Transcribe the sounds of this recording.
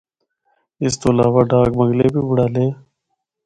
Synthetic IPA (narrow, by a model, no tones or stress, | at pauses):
ɪst̪oːɐlaːwaːɖaːɡməŋɡleːbiːbʊɽaːleː